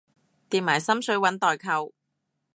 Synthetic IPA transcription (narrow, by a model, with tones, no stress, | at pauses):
t̪iː˨p̚maː˨˩jsɐ˥msɵ˨˥ɥwɐ˨˥nt̪ɔː˨jkʰɐ˧w